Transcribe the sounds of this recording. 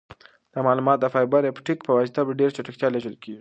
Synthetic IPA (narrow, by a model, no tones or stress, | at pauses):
d̪̥əmɑlumɑt̪̚d̪əfɑjbaɾepʈikpəwad͡ʒt̪abɖeɾt͡ʃaʈəxt̪jɑleʒəlkeɡi